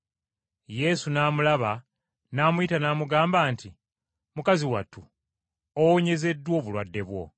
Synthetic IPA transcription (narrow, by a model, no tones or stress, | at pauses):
je̞sunaːmulaβa | naːmuitanaːmuɡaːmbaːnti | mukaziwa̰tːu | owoɲe̞ze̞dːwo̞ːβulwadːe̞βwo̞̰